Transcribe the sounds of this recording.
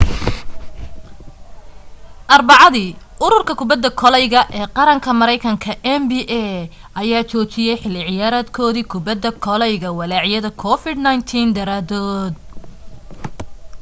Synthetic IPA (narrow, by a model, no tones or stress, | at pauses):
ʔɐrbɑʕɑðiːʔʊɾʊrkʰɐkʰʊbɐd̪ːɐkʰɔlɛjɣɐʔɛːqɑɾɐŋkʰɐmɐɾɛjkʰɐŋkʰɐʔɛmbiːʔɛː | ʔɐjaːt͡ʃɔːt͡ʃɪjɛjħɪlːɪʕɪjaːɾaːd̪kʰɔːðiːkʰʊbɐd̪ːɐkʰɔlɛjɣɐwɐlaːʕɪjɐðɐkʰɔfɪd̪najnt̪ʰiːnd̪ɐɾaːd̪ɔːd̪̚